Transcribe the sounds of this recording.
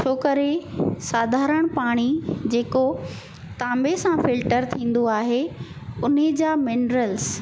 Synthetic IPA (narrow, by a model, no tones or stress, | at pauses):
t͡ɕʰoːkɐɾesaːd̪ʱaːɾəɽ̃paːɽ̃id͡ʑeːko | t̪ãːmbesãfɪlʈəɾt̪ʰĩːn̆d̪oaːɦe | ʊned͡ʑaːmɪnɾəls